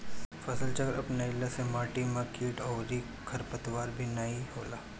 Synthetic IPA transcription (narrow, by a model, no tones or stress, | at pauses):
fɐsəlt͡ʃɐkɾɐpnaɪlasemaːʈimakiːʈɔːɾi | kʰɐɾpət̪ʋaːɾbʱinaiɦoːlaː